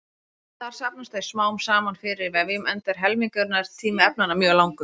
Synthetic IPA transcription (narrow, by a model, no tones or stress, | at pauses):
θaɾ̥sapnast̪θejsmaːwmsaːmanfɪɾɪɾvɛvɪmɛnt̪ɛɾ̥ɦɛlmiŋkœɾnaɾt̪ʰiːmɪɛp̚nanamjœːlawŋkʏ